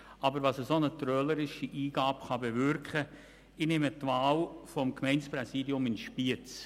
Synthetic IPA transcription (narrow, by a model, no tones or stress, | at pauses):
ɑbəɾʋɑsəsonətɾœləɾɪʃiʔiːɡ̥aːpχɑbeʋʏɾkχə | inɪmətvaːlfɔmkmɛɪnsprɛsiːdiʊmɪnʃpiət͡s